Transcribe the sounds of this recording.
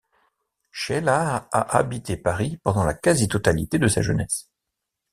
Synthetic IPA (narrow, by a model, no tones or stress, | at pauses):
ʃɛlaaʔabit̪epaʁipɑ̃d̪ɑ̃lakʲazit̪ɔt̪alit̪ed̪əsa̰ʒənɛs